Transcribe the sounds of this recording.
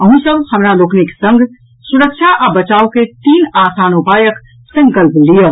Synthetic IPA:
əɦũsəbʱhəmɾalokneke̥sə̃ŋɡʱ | suɾəkʃʰaʔabət͡ʃauket̪iːnasanobajək | sə̃ŋkəlplijə

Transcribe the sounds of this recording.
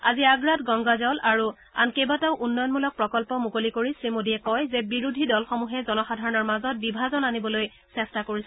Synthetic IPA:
aziaɡɹatɡɔŋɡazɔlaɹu | a̰nkejbataʊʔunːɔjɔnmulɔk̚pɹɔkɔlpɔmukolikoɹisɹimodiɛkɔjzɛbiɹudʱidɔlxɔmuɦɛzɔnɔxadʱaɹɔnɔɹmazɔt̚bibʱazɔnanibɔloj | sɛstakoɹisɛ

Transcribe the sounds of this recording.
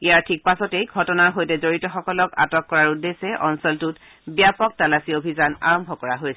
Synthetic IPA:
iaɹtʰik̚pasɔtejɡʱɔtɔnaɹɦojtɛzoɹitɔxɔkɔlɔka̰tɔkːɔɹaɹudesɛʔɔnsɔltut | bijapɔk̚talasiobʱizana̰ɹɔmbʱɔkɔɹaɦojs

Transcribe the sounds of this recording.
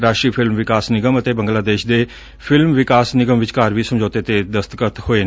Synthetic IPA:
ɾaːʃɾiːpʰɪlmʋɪkaːsnɪɡəmət̪eːbə̃ŋɡlaːd̪eːʃd̪eː | pʰɪlmʋɪkaːsnɪɡəmʋɪt͡ʃkaːɾʋiːsəmd͡ʒoːt̪eːt̪eːd̪əst̪kət̪hoːeː

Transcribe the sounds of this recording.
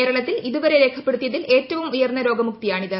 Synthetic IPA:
eːɾɐɭɐt̪ːiliðuʋɐɾeɾe̞ːkʰɐpːe̞ɽut̪ːijɐðile̞ːtːɐʋumujɐrnːɐɾo̞ːɡɐmuk̚t̪ijaːɳiðɨ

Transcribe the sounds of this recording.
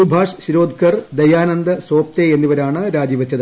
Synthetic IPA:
ubʱaːʂɕiɾo̞ːd̪ʱkɐrd̪ɐjaːnɐnd̪ɨso̞ːp̚t̪eenːiʋɐɾaːɳɨɾaːd͡ʑjiʋɐt͡ɕːɐðɨ

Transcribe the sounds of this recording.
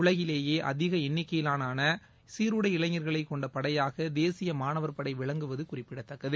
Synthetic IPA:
ʊɭɐɣɪleːjeːʔɐ̰ðɪɣɐɛnːɪkːɐjɪlaːnaːnɐ | siːɾɯɽɐɪɪɭɐɲɐɾɣɐɭɐɪkːɔɳɖɐpɐɽɐjaːɣɐd̪eːsɪjɐmaːnɐʋɐɾpɐɽɐɪʋɪɭɐŋɡɯʋɐðɯkʊrɪpːɪɽɐt̪ːɐkːɐðɯ

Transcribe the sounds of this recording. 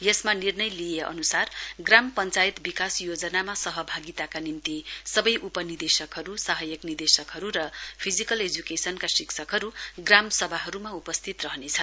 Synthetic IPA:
jʌsmanirnʌjlijeʔʌ̰nusarɡrampʌnt͡sajt̪bikasjod͡zʌnamasʌɦʌbʱaɡit̪akanint̪isʌbʌjʔupʌnird̪esʌkɦʌɾusaɦʌjʌknird̪esʌkɦʌɾuɾʌpʰid͡zikʌled͡zukesʌnkasiksʰʌkɦʌɾuɡramsʌbʱaɦʌɾumaupʌst̪ʰit̪rʌɦʌnet͡sʰʌ

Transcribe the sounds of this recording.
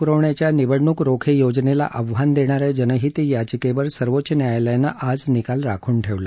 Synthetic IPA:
kɾoʋɳjat͡ɕjaniʋəɽɳukɾokʰejod͡ʑnela̰ʔəʋɦand̪eɽ̃aɾad͡ʑənəɦit̪ijat͡ɕikeʋəɾsəɾʋotːɕənjajljanːaʔad͡znikalɾa̰kʰuːɳʈʰeʋla

